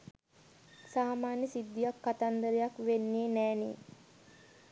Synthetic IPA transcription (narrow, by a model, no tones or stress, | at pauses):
saːmaːnjəsid̪ːijakːat̪and̪əɾejakʋenːeːnæːnḛ